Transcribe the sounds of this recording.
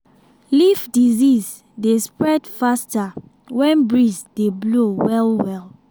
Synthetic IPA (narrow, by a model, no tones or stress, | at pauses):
lifdiziz | despɹɛdfasta | wɛ̃nbɹisd̥eblowɛlwɛl